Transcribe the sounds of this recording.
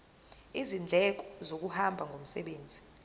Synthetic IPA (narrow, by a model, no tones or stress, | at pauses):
izind͡ɮʱɛk̬ɔ̥zok̬uhambʱaŋɡʱom̩sɛɓeːnd͡zʱi